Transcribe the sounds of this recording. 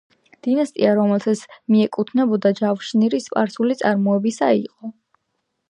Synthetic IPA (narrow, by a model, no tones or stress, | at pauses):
d̪̥inast̪ʼḭaɾɔmɛlˠt̪ʰat̪sʰmiɛkʼut̪ʰnɛbɔd̪ad͡ʒafʃniɾispʼaɾsulit̪sʼaɾmɔɛbisa̰iqʼɔ